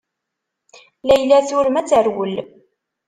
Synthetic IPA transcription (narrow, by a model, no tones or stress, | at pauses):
læjlːæθʊɾəmæt͡sːəɾwəl